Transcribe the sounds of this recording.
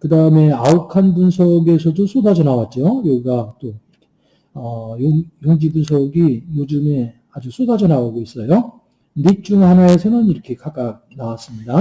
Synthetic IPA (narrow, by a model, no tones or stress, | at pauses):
kɯdaɯme̞aukʰanbunsʰʌɡe̞sʰʌdosʰodʰad͡ʑʌnawat̚t͡ɕ͈ojʌɡiɡat͈o | ʌjojʌŋd͡ʑibunsʰʌɡijod͡ʑume̞ | ad͡ʑus͈ʰodad͡ʑʌnaoɡois͈ʌjo | nit͡ɕ͈uŋhanae̞sʰʌnɯniɾʌkʰe̞kʰak͈ak̚nawas͈ɯmɲida